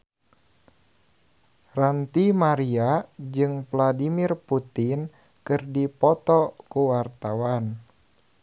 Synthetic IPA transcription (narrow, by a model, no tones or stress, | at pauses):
rant̪imaɾiad͡ʒɨŋvladimirput̪in | kɨrdipɔt̪ɔkuwart̪awan